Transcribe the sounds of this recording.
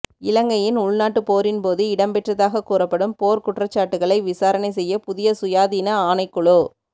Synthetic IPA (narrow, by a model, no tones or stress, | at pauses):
ɪlɐŋɡɐjɪnʊɭnaːʈːɯpoːɾɪnpoːðɯɪɽɐmpɛʈrɐðaːɣɐkuːrɐpːɐɽɯmpoːɾkʊʈrɐt͡ʃːaːʈːɯɣɐɭɐɪʋɪsaːɾɐnɐɪsɛjːɐpʊðɪjɐsʊjaːðiːnɐaːnɐɪkːʊɭoː